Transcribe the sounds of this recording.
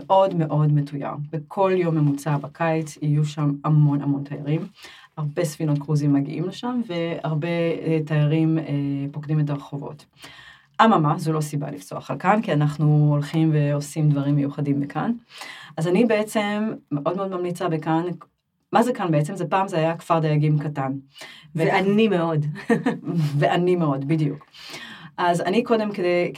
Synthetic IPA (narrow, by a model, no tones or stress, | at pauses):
meʔo̞dme̞ʔo̞dmetuja̰ʁbekʰo̞ljo̞mːemut͡sabakʰajt͡sijuʃamamo̞na̰mo̞ntaja̰ʁim | haʁbe̞sfino̞tkʁuzimːaɡḭʔimleʃamve̞aʁbe̞tajaʁimepo̞kdimet̬aʁeχovo̞̰t | ʔamamazulo̞siba̰lift͡so̞a̰χalkankianaχnuolχimve̞osimd̪vaʁimːejuχadimbekʰa̰nʔazanibeet͡se̞mːeʔo̞d̪meo̞d̪mamlit͡sabekan | mazekanbeet͡se̞mze̞paːmzeajakv̥aʁd̪ajaɡimkatanveanimeod | veʔanime̞o̞dbid̪juk | ʔazaniko̞d̪e̞mkedej